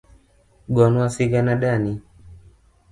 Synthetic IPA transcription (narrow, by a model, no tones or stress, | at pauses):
ɡɔnuasiɡanaɗani